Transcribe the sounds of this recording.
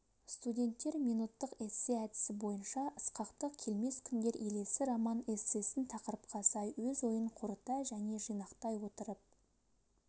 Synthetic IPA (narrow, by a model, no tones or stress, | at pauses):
st̪udʲe̞nt̪ːe̞ɾmijnut̪ːəqesːeæd̪ɪ̥sɪbo̞jənʃɑʔəsqɑqt̪əqkʲʰe̞lme̞skʲʰɪnd̪e̞ɾʔe̞le̞sɪɾɑmɑnesːe̞sɪnt̪ʰɑqəɾəp̚qʰɑsɑjwɵzwo̞jəɴqʰʊɾət̪ɑʒæne̞ʒijnɑqt̪ɑjwo̞t̪əɾəp̚